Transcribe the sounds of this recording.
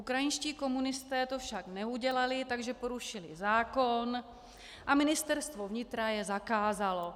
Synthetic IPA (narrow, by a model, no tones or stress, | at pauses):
ʔukɾajɪnʃciːko̞munɪst̪ɛːt̪o̞fʃaknɛuɟɛlalɪt̪aɡʒɛpo̞ɾuʃɪlɪzaːko̞n | ʔamɪnɪst̪ɛɾst̪vo̞vɲɪt̪ɾajɛzakaːzalo̞